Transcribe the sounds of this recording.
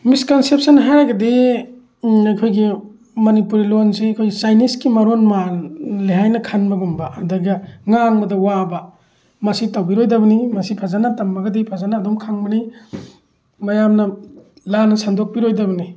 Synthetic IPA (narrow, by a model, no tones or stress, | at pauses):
miskɐnsep̚sɐnɦajɡɐdi | ajkʰojɡi | mɐnipuɾilonsikʰojɡisajniskimɐɾonmaliɦajnɐkʰanbɐɡumbɐɐdɐɡɐŋaŋbɐdɐwabɐ | mɐsitawbiɾojdɐbɐnimɐsipʰazanɐtɐmːɐɡɐdipʰazanaːdumkʰaŋbɐni | mɐjamnɐ | lanɐsandok̚piɾojdɐbɐni